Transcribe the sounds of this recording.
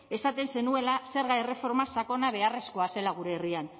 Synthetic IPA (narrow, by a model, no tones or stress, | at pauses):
e̞sat̪e̞nse̞nue̞lase̞ɾɣajre̞fo̞ɾmasako̞naβ̞e̞are̞sko̞ase̞laɣ̞uɾe̞ːrian